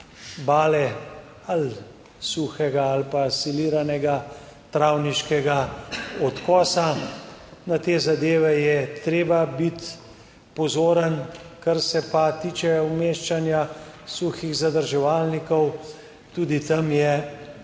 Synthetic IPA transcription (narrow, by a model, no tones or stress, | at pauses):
baːlɛ | al | suːxɛɡaːlpasiliːɾanɛɡat̪ɾawniʃkɛɡaɔt̪kɔːsa | nat̪eːzad̪eːʋɛjɛt̪ɾeːbabit̪ | pɔzoːɾənkaɾsɛpat̪iːt͡ʃɛwmeːʃt͡ʃanjasuxiɣzad̪əɾʒɛʋaːlnikɔw | t̪uːd̪it̪ɐmjɛ